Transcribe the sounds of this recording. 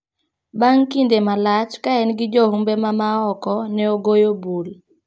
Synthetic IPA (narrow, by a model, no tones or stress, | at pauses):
baŋkindemalat͡ʃkaɛnɡɪd͡ʒohumbemamaɔkɔnɛoɡojobul